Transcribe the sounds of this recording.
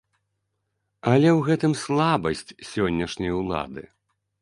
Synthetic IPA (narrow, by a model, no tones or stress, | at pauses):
ɐlʲɛwɣɛt̪ɨmslˠabɐsʲt͡sʲsʲɔnʲːɐʂnʲɐjwlˠa̰d̪ɨ̰